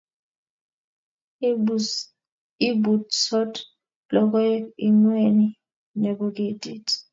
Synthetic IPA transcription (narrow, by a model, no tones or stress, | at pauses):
ibudsɔd | lɔk̬ʼɔjiŋweni | nekuk̬ʼidʱʼitʰʼi̥